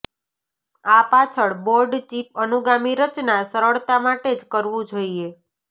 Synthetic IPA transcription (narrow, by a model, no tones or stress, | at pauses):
apat͡ʃʰəɭboɾɖt͡ʃip̚ənuɡamiɾət͡ʃnasəɾəɭt̪amaʈed͡ʒkəɾʋũd͡ʒoie